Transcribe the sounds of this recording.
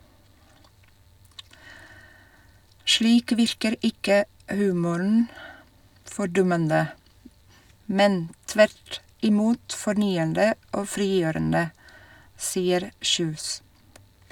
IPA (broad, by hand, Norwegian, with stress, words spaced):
ˈʃliːk ˈʋɪɾkəɾ ˈɪkə ˈhʉːmʊɳn̩ fɔɾˈdʊmənə ˈmɛn ˈtʋæɾt ɪˈmuːt fɔɾˈnyːəndə ˈoː ˈfɾiːˌjøːɾəndə ˈsiːəɾ ˈçʉːs